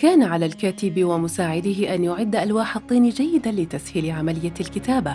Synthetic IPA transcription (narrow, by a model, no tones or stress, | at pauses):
kaːnaʕalaːlkaːt̪ɪbɪwamʊsaːʕɪd̪ɪhɪʔanjʊʕɪd̪ːaʔalwaːħɑt̪ˤːiːnid͡ʒajːɪd̪alɪt̪ashɪlɪʕamalɪjːalkɪt̪aːba